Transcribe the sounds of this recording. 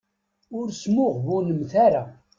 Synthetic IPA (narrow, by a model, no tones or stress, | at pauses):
ʊɾsmʊʁvunəmθaɾa